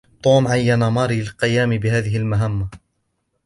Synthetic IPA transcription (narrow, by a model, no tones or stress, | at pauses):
t̪ˤuːmʕajːanamɑːɾiːlqɪjaːmbɪɦaːðɪɦɪlmaɦamːa